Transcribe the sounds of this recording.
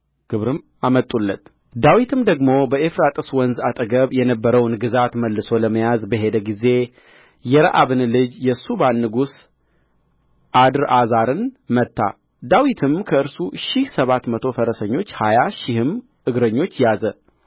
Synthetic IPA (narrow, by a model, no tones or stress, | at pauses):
ɡ̥ɨβɾɨm | amət̪ʼulːət̪ | d̪awit̪ʰɨmd̪əɡmo̞bəefɾat̪ʼɨswɔnzat̪ʼəɡəβjɛnəbːəɾəwnɡɨzat̪məlːɨso̞ləməjazbəɦe̞d̪əɡize̞ | jɛɾə̰ʔaβɨnlɨd͡ʒjɛsubanːɨɡus | ʔad̪ɨɾʔazaɾɨnmət̪ːa̰ | d̪awit̪ʰɨmkʰəɨɾsuʃɪhsəβat̪mət̪ʰo̞fəɾəsəɲːo̞t͡ʃːhajaʃɪhɨm | ʔɨɡɾəɲːo̞t͡ʃːjazə